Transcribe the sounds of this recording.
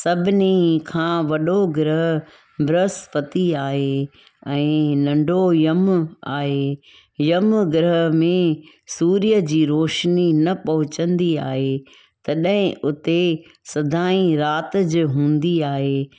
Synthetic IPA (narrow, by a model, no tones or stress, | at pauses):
sɐbʱɪnikʰãːʋɐɗoɡɾəɦ | bʱɾəspɐt̪iaːɦe | ɛ̃ːnɐ̃ɳɖʱojɐmaːɦe | jɐmɡɪɾəɦmẽ | suːɾijəd͡ʑiːɾoːʃninɐpɐɦʊt͡ɕə̃nd̪ia̰ːɦe | t̪ɐɗə̃ɦɪ̃ʔʊt̪e | sɐd̪ʱaːĩɾaːt̪d͡ʑʊɦũːnd̪iaːɦeː